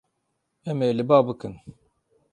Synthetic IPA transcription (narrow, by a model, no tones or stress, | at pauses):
ɛmelɨbɑːbɨkɨn